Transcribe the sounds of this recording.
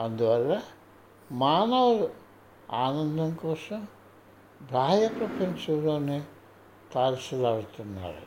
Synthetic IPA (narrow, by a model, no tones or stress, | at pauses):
ɐnd̪uʋɐlːɐ | maːnɐʋɐɾu | aːnɐnd̪ʱɐnkɔːsɐm | bʱaːjɐkɾɐpʰensuɾoːne | t̪aːlisɐlaːɽut̪unːa̰ːɾṵ